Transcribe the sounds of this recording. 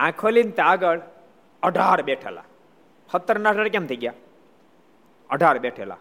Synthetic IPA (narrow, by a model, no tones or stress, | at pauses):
ãkʰolint̪aɡəɽ | ɔɖʱaːɾbeʈʰɛ̰la̰ | hɔt̪ːɔɾnasaɽkɛmt̪ʰiɡja | ɔɖʱaɾbeʈʰela̰